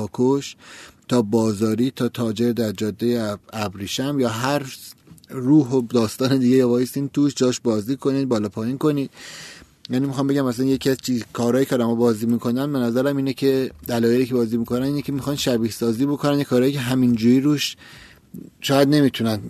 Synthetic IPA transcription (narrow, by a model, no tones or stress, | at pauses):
ɒːkʰoʃt̪ʰɒːbɒːzɒːɾiːt̪ʰɒːt̪ʰɒːd͡ʒe̞ɾd̪æɾd͡ʒɒːd̪ːejeæbɾiːʃæmjɒːɦæɾ | ruːɦod̪ɒːst̪ɒːned̪iːɡejɒːbɒːjest̪iːnt̪ʰuːʃd͡ʒɒːʃbɒːziːkʰo̞niːd̪̚bɒːlɒːpʰɒːjiːnko̞niːd̪̥̚ | jæːniːmixɑːmbe̞ɟæmæsænje̞cʰiæzt͡ʃʰiːzkʰɒːɾɒːjiːkʰeɒːd̪æmɒːbɒːziːmiːkʰo̞nænbe̞næzæɾæmiːnecʰe̞d̪ælɒːje̞liːcʰe̞bɒːziːmikʰo̞næniːnecʰemixɒːnʃæbiːhsɒːziːbo̞kʰonænd̪jekʰɒːɾɒːjicʰeɦæmind͡ʒuːɾiɾuːʃ | ʃɒːjæd̪ne̞mit̪ʰunæn